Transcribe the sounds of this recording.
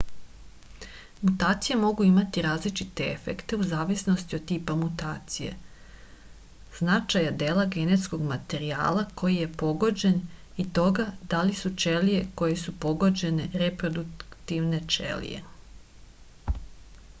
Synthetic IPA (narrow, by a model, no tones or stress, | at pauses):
mut̪aːt̪sijemo̞ɡuimat̪iɾaːzlit͡ʃit̪e̞ḛfe̞̰kt̪e̞uzaːʋisnost̪io̞d̪̚t̪ːiːpamut̪aːt̪sijḛ | z̥nat͡ʃajad̪eːlˠaɡe̞ne̞t̪sko̞ɡmat̪e̞ɾia̰ːlˠakʰo̞jije̞po̞ɡo̞d͡ʑe̞n | it̪o̞ɡad̪̥alisut͡ʃelije̞ko̞je̞supo̞ɡo̞d͡ʑe̞ne̞ɾepɾo̞d̪ukt̪iʋne̞t͡ʃḛlḭjḛ